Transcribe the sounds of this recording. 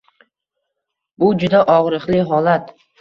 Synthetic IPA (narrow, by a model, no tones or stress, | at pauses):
bʊd͡ʒʊd̪aʔɒʁɾɨqlɪɦɒlat̪